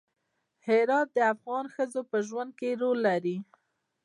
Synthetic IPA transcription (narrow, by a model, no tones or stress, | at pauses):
hɪɾɑt̪̚d̪əafɣɑnxəzopəʒwand̪̚keɾolːaɾi